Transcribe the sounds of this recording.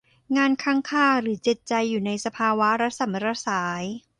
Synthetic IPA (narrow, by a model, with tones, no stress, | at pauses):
ŋaː˧nkʰaː˦˥ŋkʰaː˥˩ɾɯː˩˦t͡ɕe˨˩t̪̚t͡ɕa˧jːuː˨˩na˧jsa˧pʰaː˧wa˦˥ɾa˦˥sa˨˩˦mɾa˧˥saː˩˦j